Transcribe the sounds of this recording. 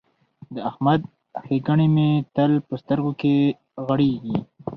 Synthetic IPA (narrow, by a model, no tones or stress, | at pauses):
d̪əahmad̪̚ | xeɡaɳimet̪əlpəst̪əɾɡoke | ɣaɽeɡi